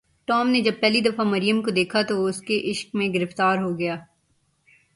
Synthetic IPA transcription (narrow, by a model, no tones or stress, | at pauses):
ʈɔːmned͡ʒɐb̚pɛːlid̪ɐfamɐɾijəmkod̪eːkʰat̪oʊskeʔɪʃk̚mẽɡɪɾɪft̪aːɾɦoɡɐjaː